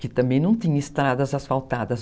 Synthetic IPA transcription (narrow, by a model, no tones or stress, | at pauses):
kɪt̪ɐ̃mbẽj̃nɐ̃w̃t̪ĩɲɐɪst̪ɾad̪ɐzɐsfawt̪ad̪ɐz